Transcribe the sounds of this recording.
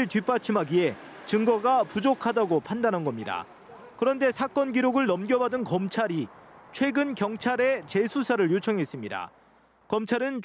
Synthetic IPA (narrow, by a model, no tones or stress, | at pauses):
ɭtɥip͈at͡ɕʰimaɡie̞t͡ɕɯŋɡʌɡapud͡ʑokʰadaɡopʰandanɦanɡʌmɲida̰ | kɯɾʌnde̞sʰak͈ʌnɡiɾoɡɯɭnʌmɡjʌbadɯnkʌmt͡ɕʰaɾit͡ɕʰwe̞ɡɯnkjʌŋt͡ɕʰaɾe̞t͡ɕe̞sʰusʰaɾɯɭjot͡ɕʰʌŋɦe̞s͈ɯmɲida̰ | kʌmt͡ɕʰaɾɯnt͡ɕ